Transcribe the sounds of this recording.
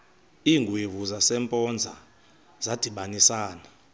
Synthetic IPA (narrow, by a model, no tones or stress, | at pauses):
iŋɡʱuivuzasɛmpʼɔnd͡zʱa | z̥ad̥ʱiɓanisaːna